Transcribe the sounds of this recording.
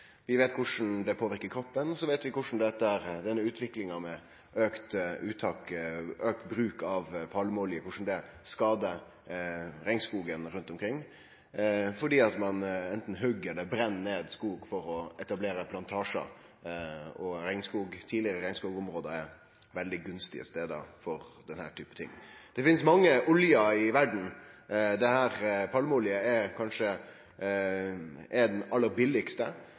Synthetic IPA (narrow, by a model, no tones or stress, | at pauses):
ʋɪʋeːt̪̚kʰʊʂn̩d̪ɛpʰoːʋɪɾkəɾkʰɾɔpːənɔsɔʋeːt̪ʋɪkʊʂn̩d̪ɛt̪ːəæɾd̪ɛnːəʉːt̪ʰʋɪklɪŋɑmɛ | øːkt̪ʉːt̪ʰɑːkøːk̚t̪bɾʉːkɑʋpʰɑləmolɪəkʊʂn̩d̪ɛ | skɑːd̪ə | ɾɛɪŋskuːɡənɾʉnt̪ɔmkʰɾɪŋː | fɔɖiːɑt̪mɑnɛnt̪n̩ɦʉɡːəɾd̪ɛbɾɛnːeːd̪skuːɡfɔɾɔɛt̪ɑbleːɾəpʰlɑnt̪ʰɑːʂə̰ | ɔɾæɪŋskuːɡt̪ʰiːlɪəɾəɾæɪŋskuːɡɔmɾoːd̪əɛɾ | ʋɛld̪ɪɡʉnst̪ɪ̰ə̰st̪eːd̪ɑ̰fɔɾd̪ɛnhæ̰ːʈʰyːpət̪ʰɪ̰ŋːd̪̥ɛfɪnsmɑŋːəʔʊljɑɪʋæɖɳ̩d̪ɛhæːɾpʰɑlməʊljəɛɾkʰɑnʂə | ʔɛd̪ɛnɑlːəɾbɪlːɪkst̪ə